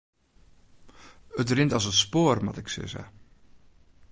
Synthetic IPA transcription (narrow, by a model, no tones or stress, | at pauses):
ətrɪntɑsətspoːrmɑ̰tɪksɪ̰zɛ̰